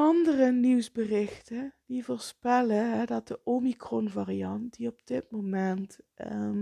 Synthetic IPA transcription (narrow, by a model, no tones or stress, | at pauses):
ɑndərəniwzbərɪxtəd̥ivoːɹspɛləɦɛdɑt̚dəʔomikrɔnvariɑntdiɔb̚d̥ɪt̚momɛntə